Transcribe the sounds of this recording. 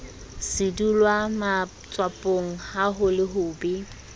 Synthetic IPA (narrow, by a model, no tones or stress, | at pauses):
sɪdulwama | t͡sʼwapʼoŋ̩haɦʊlɪɦʊːbi